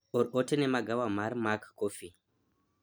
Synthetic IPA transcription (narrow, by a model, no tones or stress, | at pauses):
oɾotenemaɡʱawamaɾmakkofi